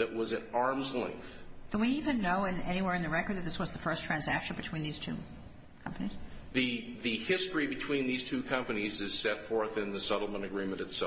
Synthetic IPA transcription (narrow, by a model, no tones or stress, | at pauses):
ðɨʔ̚wʌzɨ̃nɑɹmzlɛ̰̃ŋk̚θd̥əwiivɨ̃nːoʊɨ̃nɛñiwɛɹɨ̃nðɨɹɛkə˞d̪ðɨt̪̚ðɪswʌzðəfɜ˞stʰɹ̥æ̃nzækʃɨ̃n̩bɨtʰw̥ĩnðiz̥tʰʉ̰ | kʰʌ̃mpəniz̥ðɨðɨhɪstɹ̥ibɨtʰw̥ĩnðiz̥tʰʉkʰʌ̃mpɨnizɨz̥sɛtfɔɹθɨ̃nðɨsʌɾl̩ˠmə̃ñɨɡɹĩmɨ̃nɨtsɛ